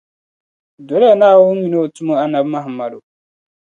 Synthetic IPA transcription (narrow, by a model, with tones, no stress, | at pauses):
do˨lɛ˦a˨naː˦wu˦mi˨no˦˨tu˦mo˦a˦na˨bma˦ɦmːa˨do˨